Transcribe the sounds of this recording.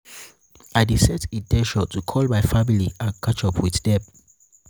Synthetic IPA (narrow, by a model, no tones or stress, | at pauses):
aɪdisɛtidɛʃɔtʰukʰɔlmaɪfamiliãnkʰat͡ʃɔpʰwiθdɛm